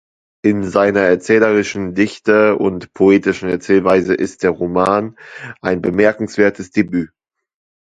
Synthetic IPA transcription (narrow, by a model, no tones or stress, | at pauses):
ʔɪnzaɪnɐɛɐt͡sɛːləʁ̞ɪʃn̩dɪçtəʊ̰ntpʰoeːtɪʃn̩ɛɐt͡sɛːlvaɪzəʔɪst̚d̥eːɐʁomaːnʔaɪnbəmɛɐkŋ̩sv̥eːɐtʰəsd̥ebyː